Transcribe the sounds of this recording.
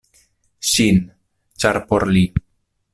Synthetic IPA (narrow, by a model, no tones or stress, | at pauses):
ʃin | t͡ʃaɾpoɾli